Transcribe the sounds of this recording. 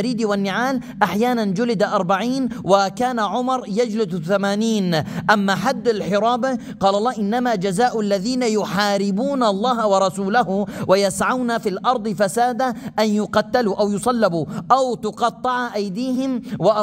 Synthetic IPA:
ɾiːd̪wanːɪʕaːlʔaħjaːnand͡ʒʊlɪd̪aʔɑɾˤbaʕiːnwakaːnaʕʊmɑɾˤjad͡ʒlɪsθamaːniːnʔamːaħad̪ːalħɪɾˤɑːbɪ | qɑːlɑlˤːɑːʔɪnːamad͡ʒazaːʔʊʔalːaðiːnajʊħaːɾɪbuːnalˤːɑːɦawɑɾˤɑsuːlahʊwʔajasʕawnafilʔɑɾˤd̪ˤɨfasaːd̪aʔanjʊqɑt̪ːaluʔawjʊsˤɑlːɪbuʔawt̪ʊqɑt̪ˤːɑʕaʔajd̪iːhɪmwɪʔ

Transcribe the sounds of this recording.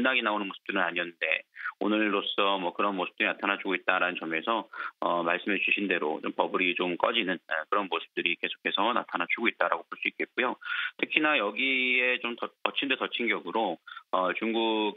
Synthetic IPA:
nːaɡinaonɯnmosʰɯ̥p̚t͈ɯɾɯnaɲiʌnːɯnde̞̰onɯɭɾos͈ʌmwʌkɯɾʌnmosʰɯ̥p̚t͈ɯɾinatʰanat͡ɕʰuɡoit̚t͈aɾanɯnt͡ɕʌme̞sʰʌʌmaɭs͈ɯmɦet͡ɕuɕʰinde̞ɾo̰t͡ɕompʌbɯɾit͡ɕomk͈ʌd͡ʑinɯnʌkɯɾʌnmosʰɯ̥p̚t͈ɯɾike̞sʰo̥kʰe̞sʰʌna̰tʰanat͡ɕʰuɡoit̚t͈aɾaɡopoɭs͈uik͈et̚k͈ojotʰɯkʰinajʌɡie̞t͡ɕomtʌtʌt͡ɕʰindetʌt͡ɕʰinɡjʌɡɯɾoʌt͡ɕuŋɡuɡ

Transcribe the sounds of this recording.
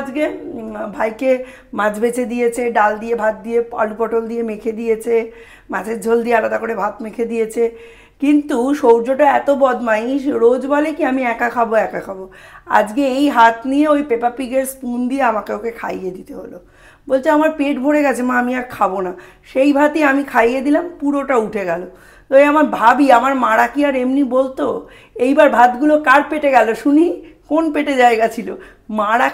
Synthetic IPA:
d͡ʑkebʱajke | mãd͡ʑbet͡ɕʰed̪ijet͡ɕʰeɖald̪ijebʱat̪̚d̪ijepa̰lupɔʈold̪ijemekʰed̪ijet͡ɕʰe | mãd͡ʑʰeɾd͡ʑʱold̪ijealad̪akoɾebʱat̪mekʰed̪ijet͡ɕʰe | kint̪uʃowd͡ʑoʈoɛt̪obɔd̪maiʃɾod͡ʑbalekiamiɛkakʰaboɛkakʰaboa̰d͡ʑkeejɦat̪nieojpepapiɡeɾskund̪ieamakekekʰa̰jed̪it̪eɦo̰lo̰ | bolt͡ɕʰeamaɾpeʈbʱoɽeɡɛt͡ɕʰemaamiaɾkʰabona | ʃejbʱat̪iamikʰajed̪ilampuɾoʈauʈʰeɡɛlo | t̪oeamaɾbʱabiamaɾmaɽakiaɾemnibolt̪o | ejbaɾbʱad̪ɡulokaɾpeʈeɡɛloʃunikonpeʈed͡ʑaeɡat͡ɕʰilo | maɽa

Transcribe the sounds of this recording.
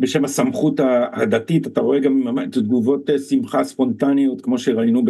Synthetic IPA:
beʃe̞mhasamχut̪hahad̪atitataʁo̞eɡamamatd̪ɡuvo̞t̪esimχaspo̞nt̪anijot̪kmo̞ʃeʁainub

